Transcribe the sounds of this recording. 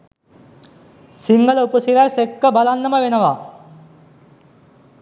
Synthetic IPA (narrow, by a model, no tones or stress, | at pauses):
siŋɡɐlupɐsiɾasekːɐbɐlanːɐmɐʋenɐʋa